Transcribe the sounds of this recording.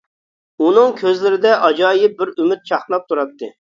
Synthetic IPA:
unɨŋkʲʰøzlɪɾɪd̪ɛʔɑd͡ʒɑːjɪp̚bɪɾymyt̪̚t͡ʃʰɑχlˠɑp̚t̪ʰuɾɑt̪ʰːɨ

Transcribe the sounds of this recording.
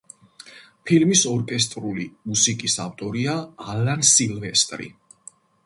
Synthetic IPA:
pʰilmisɔɾkʼɛs̬t̪ʼɾulimusikʼisaft̪ʼɔɾiaːlansilvɛst̪ʼɾḭ

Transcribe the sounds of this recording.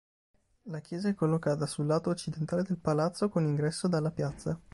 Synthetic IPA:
lak̟jɛːzaɛkːolːokaːt̪asulːaːt̪oːt͡ʃːid̪ent̪aːled̪elpalat̪sokoniŋɡɾɛsːod̪alːapjat̪sːa

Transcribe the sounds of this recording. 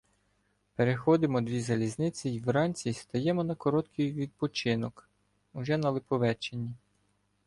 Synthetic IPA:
peɾexɔd̪ɪmɔd̪ʲʋʲizɐlʲiznɪt͡sʲiwɾɑnʲt͡sʲist̪ɐjɛmɔnɐkɔɾɔt̪kʰɪjʋʲid̪̚pɔt͡ʃɪnɔk | uʒɛnɐlˠɪpɔʋɛt͡ʃenʲːi

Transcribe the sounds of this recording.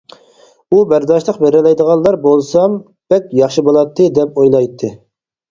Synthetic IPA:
ubæɾd̪ɑʃlˠəqbeɾɪlɛjd̪əʁɑnlˠɑɾbolˠsɑm | b̥ɛkʲjɑχʃɨbolˠɑt̪ʰːɨd̪ɛpojlˠɑjt̪ʰːɨ

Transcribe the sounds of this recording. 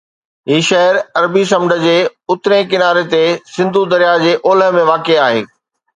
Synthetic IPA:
ɦiːʃɐɦəɾɐɾbis̬ɐmɖʱə̆d͡ʑeːʊt̪ɪɾẽkɪnaːɾet̪esɪ̃nd̪ʱud̪ɐɾijad͡ʑeːʔoːləɦmẽʋaːkeaːɦḛː

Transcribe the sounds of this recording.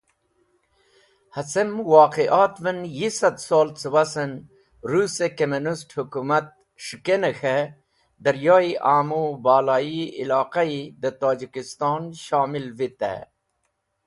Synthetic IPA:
hɐsemwɑːqeʔaːt̪vənjisɐd̪soːlt͡səwasən | ɾuːsekɐminisʈhukumat̪̚ | ʂukenexe | d̪ɐɾjoːiʔaːmubaːlaːiḭlɑːqaid̪ət̪oːd͡ʑikist̪ɑːnʃaːmilvit̪ḛ

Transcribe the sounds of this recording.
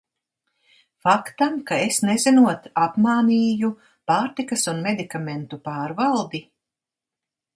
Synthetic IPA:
fakt̪amkaesnezinuɔt̪apmaːniːju | paːɾt̪ikɐsunmed̪ikament̪upaːɾvalˠd̪i

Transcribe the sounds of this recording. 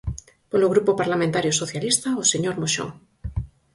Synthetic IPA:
poloɣɾupopaɾlamẽnt̪aɾjosoθjalist̪aoseɲoɾmoʃo̰ŋ

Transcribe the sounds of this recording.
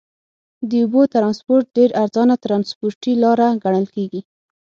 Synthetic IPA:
d̪əubot̪ɾɑnspoɾʈ̚ɖeɾaɾzɑnat̪ɾɑnspoɾʈilɑɾaɡaɳəlkeɡi

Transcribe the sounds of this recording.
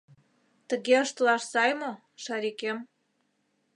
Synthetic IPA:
t̪ə̆ɣeəʃt̪lɑʃsɑjmo | ʃɑɾikem

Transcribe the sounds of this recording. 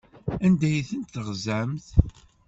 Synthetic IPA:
ænd̪æjθənt̪θəʁzæmθ

